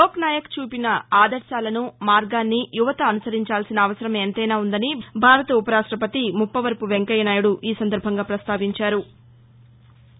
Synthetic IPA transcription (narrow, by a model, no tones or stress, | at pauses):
oːknaːjɐkt͡ʃuːpinɐaːd̪ɐɾʃaːlɐnumaːɾɡaːnːijuʋɐt̪ɐːnusɐɾiɲt͡ʃaːlsinɐːʋɐsɐɾɐmeːnt̪ɐjnaːund̪ɐnibʱaːɾɐt̪ɐupɐɾaːʂʈɾɐpɐt̪imupːɐʋɐɾpuʋeŋkɐjɐnaːjuɽuʔiːsɐnd̪ɐɾbʱɐŋɡaːpɾɐst̪aːʋiɲt͡ʃaːɾu